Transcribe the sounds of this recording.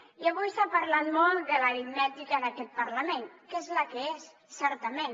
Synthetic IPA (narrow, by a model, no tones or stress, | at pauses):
iəβujsapəɾlat̪mɔlˠt̪d̪ələɾimnɛt̪ikənəkɛt̪̚pəɾləmenkezləkəes | sɛɾt̪əmen